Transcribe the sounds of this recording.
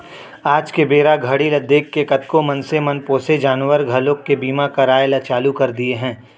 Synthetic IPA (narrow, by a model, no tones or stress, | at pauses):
aːd͡ʒkebeːɾaɡʱɐɽilɐd̪eːkːekɐt̪komɐnsemɐnpoːsed͡ʒaːnʋəɾɡʱɐlõkebiːmakaɾaːjlɐt͡ʃaːlukɐɾd̪ieɦɛ̃ː